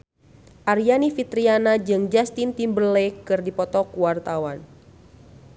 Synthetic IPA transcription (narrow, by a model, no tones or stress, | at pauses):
ʔaɾianifit̪ɾianad͡ʒɨŋd͡ʒast̪int̪imbəlekɨrdipɔt̪ɔkuwart̪awan